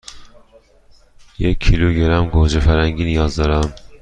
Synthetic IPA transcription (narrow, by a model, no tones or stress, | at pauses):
jekʰːiluɡeɾæmɡod͡ʒefæɾhæŋɟinijɒːzd̪ɒːɾæm